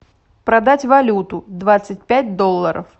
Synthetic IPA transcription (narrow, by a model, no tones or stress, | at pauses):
pɾɐd̪atʲvɐlʲut̪ʊd̪vat̪sɨt̚ʲpʲæt̚ʲd̪olˠːəɾə̰f